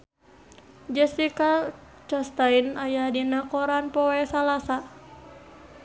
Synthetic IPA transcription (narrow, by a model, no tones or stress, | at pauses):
d͡ʒɛsika | t͡ʃast̪ainajadinakɔɾanpɔwɛsalasa